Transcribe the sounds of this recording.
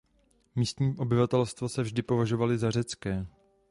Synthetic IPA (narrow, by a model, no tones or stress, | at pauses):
miːst̪ɲiːʔo̞bɪvat̪ɛlst̪vo̞sɛvʒdɪpo̞vaʒo̞valɪzarɛt͡skɛː